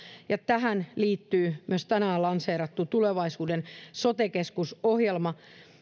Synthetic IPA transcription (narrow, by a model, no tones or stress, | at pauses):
jɑt̪æɦænliːt̪ːyːmyøst̪ænæolɑnseːɾɑt̪ːut̪uleʋɑisuːdensot̪ekeskusohjelmɑ